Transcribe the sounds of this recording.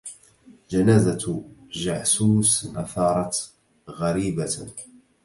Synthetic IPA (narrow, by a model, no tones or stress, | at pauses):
d͡ʒanaːzaʒaʕsuːsʔaθɑːɾˤɑt̪ | ɣaɾiːba